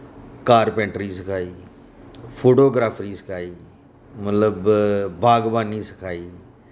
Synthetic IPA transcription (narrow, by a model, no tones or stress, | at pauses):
kaːɾpɛ̃ːʈɾiːsɪkʰaːiː | pʰoːʈoːɡɾaːpʰɾiːsə̥kʰaːiː | mət̪ləbbʱaːɡbaːniːsɪ̥kʰaːiː